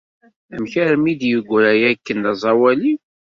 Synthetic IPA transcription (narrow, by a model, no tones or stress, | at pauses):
æmçæɾmid̪jəɡʷːɾæjækːənɑzˤɑwæli